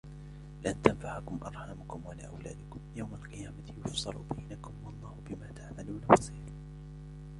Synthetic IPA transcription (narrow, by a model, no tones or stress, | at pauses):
lɪʔant̪anfaʕakʊmʔɑɾˤħamʊkʊmwala̰ːʔawla̰ːd̪ɪkʊmjawmalqɨjaːmajʊfsˤɨlʊ̰bajnakʊmwɑlˤːɑːhʊbɪmaːt̪aʕmaluːnawɑsɑɾn